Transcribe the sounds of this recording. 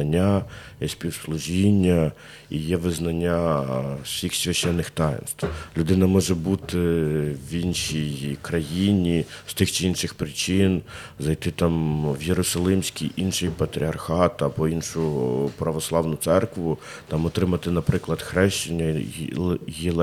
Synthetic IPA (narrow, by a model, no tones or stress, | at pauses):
ɐnʲːa | jɛsʲpʲiwslˠʊʒinʲːɐ | ijɛʋɪznɐnʲːa | sʲixsʲʋʲɐʃt͡ʃːɛnːɪxt̪ɑjɪ̰nst̪ʋlʲʊd̪ɪnɐmɔʒɛbut̪ɪʋinʃijkɾɐjinʲist̪ɪxt͡ʃiinʃɪxpɾɪt͡ʃɪnzɐjt̪ɪt̪ɑmʋjeɾɔsɐlˠɪmsʲkʲijʔinʃɪjpɐt̪ɾʲiɐrxɑt̪ɐbɔinʃʊpɾɐʋɔslˠɑʋnʊt̪sɛrkʋʊ | t̪ɑmɔt̪ɾɪmɐt̪ɪnɐpɾɪklˠɐd̪xɾɛʃt͡ʃɪnʲːɐ | jilˠ